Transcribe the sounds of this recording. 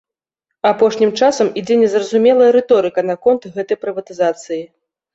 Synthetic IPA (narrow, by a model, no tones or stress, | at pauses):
apɔʂnʲimt͡ʂasɐmid͡zʲɛnʲɛzrɐzumʲɛlˠɐjɐɾɛt̪ɔɾɨkɐn̪ɐkɔnt̪ɣɛt̪ɐjpɾɨvɐt̪ɨzat̪sɨji